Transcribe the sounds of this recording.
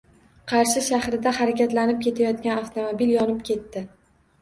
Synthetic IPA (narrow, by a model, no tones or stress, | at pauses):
qʰɑɾʃɪʃaχɾɪd̪ahaɾakʲat̪lanɪp̚kʲʰe̞t̪ʰajɒt̪kʲanaft̪ʰomobiljɒnɪpkʲʰe̞t̪ːɪ